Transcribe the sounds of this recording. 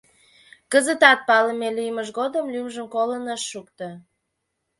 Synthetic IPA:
kəzət̪ɑt̪̚pɑləmelyjməʃ̬ɣod̪əmlymʒəmkolənəʃːukt̪ə

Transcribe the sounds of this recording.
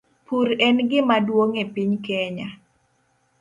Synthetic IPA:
puɾɛnɡɪmadwoŋepiɲkɛɲa

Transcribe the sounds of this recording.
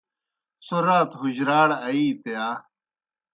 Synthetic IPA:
soɾaːt̪ɦuʑɾaːɽɐiːt̪ejaː

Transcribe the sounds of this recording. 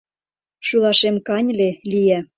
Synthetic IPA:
ʃylˠɑʃemkɑnʲlelijæ

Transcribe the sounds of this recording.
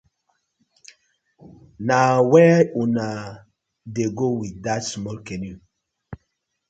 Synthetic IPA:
nawɛuna | deɡowidatsmɔlkeni

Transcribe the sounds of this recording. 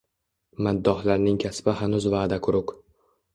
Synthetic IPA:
mad̪ːɒhlaɾnɪŋkʲʰasbɪhanʊzvaːd̪akʰʊɾʊq

